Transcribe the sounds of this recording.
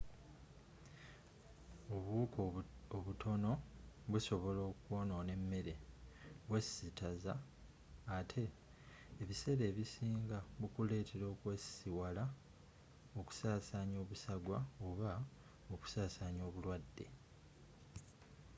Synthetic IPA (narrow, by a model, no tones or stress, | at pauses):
oβuːkoβutʰo̞no̞βuso̞βo̞lo̞ːkwo̞no̞ne̞mːe̞ɾe̞βwesitʰazaː | tʰe̞ː | βise̞ɾe̞ːβisiːŋɡaβukule̞ːtʰe̞ɾo̞ːkwesiwala | oku̥saːsaːɲo̞ːβusaɡwaoβa | oku̥saːsaːɲo̞ːβulwadːe̞̰